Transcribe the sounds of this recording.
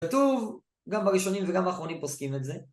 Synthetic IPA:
t̪uv | ɡambaʁiʃo̞nimveɡambaːχʁo̞nimposkimeze̞

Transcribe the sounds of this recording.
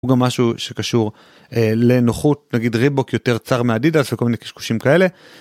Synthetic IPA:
uɡamːaʃuʃe̞kaʃuʁ | ele̞noχut̚naɡidʁibokjo̞te̞ʁt͡saʁmeadidalefekomineki̥ʃku̥ʃimkae̞le̞

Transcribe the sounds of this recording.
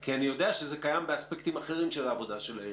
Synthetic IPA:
kianijo̞deaʃezekajambeaspekt̪imaχe̞ʁimʃelaːvo̞daʃelae

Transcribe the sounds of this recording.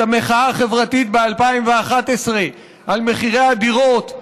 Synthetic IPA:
ameχaaχe̞vʁat̪it̪bealpaimveaχat̪esʁe | ʔalme̞χiʁead̪iʁo̞t̪

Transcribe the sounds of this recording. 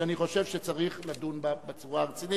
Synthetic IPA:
aniχo̞ʃe̞vʃet͡saʁiχladunbabet͡suʁaʁet͡sini

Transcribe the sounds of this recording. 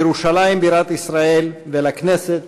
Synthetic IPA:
eɾuʃalajimbiɾat̪isɾae̞lvelakne̞set̪

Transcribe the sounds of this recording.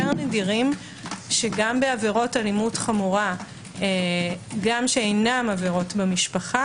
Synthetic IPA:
eʁnediʁim | ʃeɡambeaveʁo̞talimutχamuʁa | eɡamʃeejnamaveʁo̞tbemiʃpaχa

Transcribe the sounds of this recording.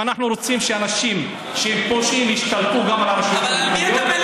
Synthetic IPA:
anaχnuɾo̞t͡simʃeanaʃim | ʃeepoʃimiʃt̪alt̪uɡamalaɾaʃjaamaju

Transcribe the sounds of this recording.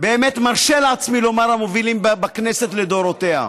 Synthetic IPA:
be̞ːmet̪maʁʃelaat͡smilo̞maʁamo̞vilimbakne̞set̪le̞d̪o̞ɾot̪e̞ha̰

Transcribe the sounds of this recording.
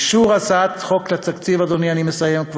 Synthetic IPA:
ʃuʁasat̪χoklat̪akt͡sivad̪onianimesajemkv

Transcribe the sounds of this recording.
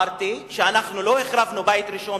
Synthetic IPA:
ɾt̪iʃeanaχnulo̞eχɾavnubajt̪ɾiʃo

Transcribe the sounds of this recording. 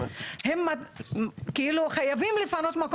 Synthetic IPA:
hemːa | keiluχajavimlifano̞t̪mako

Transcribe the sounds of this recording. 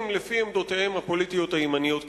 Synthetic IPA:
mlefiemd̪o̞t̪ehe̞mhapo̞lit̪ijo̞t̪haimanijo̞t̪

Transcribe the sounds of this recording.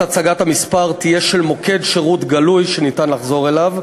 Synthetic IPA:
at͡saɡathamispaʁt̪ijeʃelmo̞kʰe̞dʃeʁut̪ɡalujʃenitanlaχzo̞ʁelav

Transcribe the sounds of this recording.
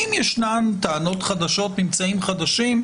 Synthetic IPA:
imjɛʃnant̪aːno̞tχad̪aʃo̞tnimt͡saimχad̪aʃim

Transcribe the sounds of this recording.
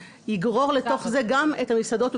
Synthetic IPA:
jiɡʁo̞ʁlet̪o̞χze̞ɡamethamisado̞t

